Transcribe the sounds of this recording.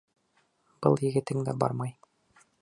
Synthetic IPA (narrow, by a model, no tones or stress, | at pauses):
b̥ɤlˠjɘ̆ɡɘ̆t̪ɘŋd̪æbɑ̰ɾmɑj